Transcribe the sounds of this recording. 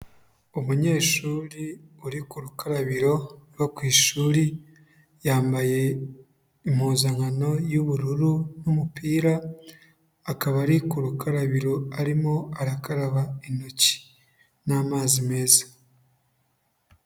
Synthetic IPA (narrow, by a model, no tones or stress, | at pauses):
umuɲe̞ːʃuːɾiuɾikuɾukʰaɾaβiɾo̞ɾwokwiːʃuːɾi | jaːmbaje̞ | imhuːzaŋano̞juβuɾuɾunumupiːɾaː | kaβaɾikuɾukaɾaβiɾo̞aɾimo̞aɾakaɾaβaino̞ci̥ | naːmaːzime̞ːzḁ